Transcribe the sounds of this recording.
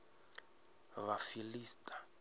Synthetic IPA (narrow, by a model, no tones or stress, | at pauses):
βafiliːstʼḁ